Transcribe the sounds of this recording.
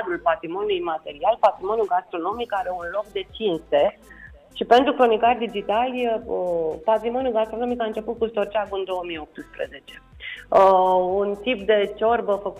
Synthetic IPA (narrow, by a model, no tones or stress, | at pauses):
d̪ulpat̪ɾimo̞nʲulujmat̪e̞ɾialpat̪ɾimo̞njulɡast̪ɾo̞no̞mikaɾeunlo̞k̚d̪e̞t͡ʃinst̪e̞ | ʃipe̞nt̪ɾukɾo̞nikarʲd̪id͡ʒit̪alʲəpat̪ɾimo̞njuɡast̪ɾo̞no̞mikaɨnt͡ʃe̞put̪̚kust̪o̞rt͡ʃaɡuɨnd̪o̞womijo̞p̚t̪ɨspɾḛze̞t͡ʃe̞̥ | unt̪ip̚d̪e̞t͡ʃo̞rbəfək